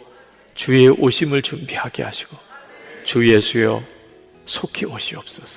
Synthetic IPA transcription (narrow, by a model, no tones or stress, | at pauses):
t͡ɕue̞ʔoɕʰimɯɭt͡ɕumbihaɡḛha̰ɕʰi̥ɡ̥o | t͡ɕuje̞sʰujʌ̰ | sʰokʰioɕʰiʌp̚s͈ʌs